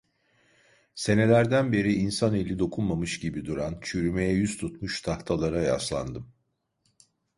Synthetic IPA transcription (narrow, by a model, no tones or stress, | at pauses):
se̞ne̞lʲæɾd̪ænbe̞ɾiʔinsane̞lʲːid̪o̞kʰunmamɯʃɟibid̪uɾant͡ʃʰyɾyme̞jɛjyzt̪ʰut̪muʃt̪ʰaht̪ʰalˠaɾaja̰slˠa̰nd̪ɯm